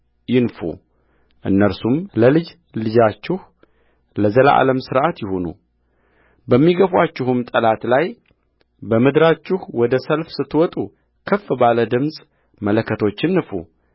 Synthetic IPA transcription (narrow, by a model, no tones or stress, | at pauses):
jɪnfṵ | ʔɨ̰nːəɾsumləlɨd͡ʒ | lɨd͡ʒat͡ʃːɪh | ləzələ̰ʔa̰ləmsɨɾʔat̪jɪhonṵ | bəmːiɡəfwat͡ʃːɪhɨmt̪ʼəlat̪laj | bəmɨd̪ɾat͡ʃːɪhwɔd̪əsəlfsɨt̪ːwɔt̪ʼu | kʰəfːbaləd̪ɨmsʼ | mələkːət̪ʰo̞t͡ʃːɪnːɨfṵ